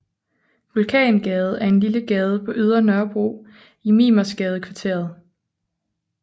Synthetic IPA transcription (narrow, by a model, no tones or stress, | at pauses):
ʋulkʰɛ̰ːnɡ̥ɛːð̞ˠəæɐe̝nliləɡ̥ɛːð̞ˠəpʰɒ̽ʔyð̞ˠʁɐnɶɐb̥ʁṵː | imiːmɐsɡ̥ɛːð̞ˠəkʰʋɑ̈t͡sʰe̝ɐ̰ð̞̩ˠ